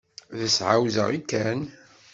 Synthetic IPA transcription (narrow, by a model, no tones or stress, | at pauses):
ðəsʕawzə̰ʁikːæn